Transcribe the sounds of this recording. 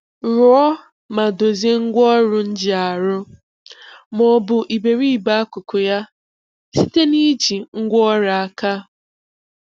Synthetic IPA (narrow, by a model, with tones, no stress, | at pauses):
ɾʊ˨˦ɔ˦ | ma˨do˨ze˦ŋ̩˦ɡʷɔ˦ɾʊ˦n̩˦d͡ʒɪ˨a˨ɾʊ˦ | mɔ˨bʊ˨ʔi˨be˨ɾi˦i˨ba˦a˦kʷʊ˨kʊ˨ja˦ | si˦te˦ni˦d͡ʒi˨ŋ̩˦ɡʷɔ˦ɾa˨a˦ka˦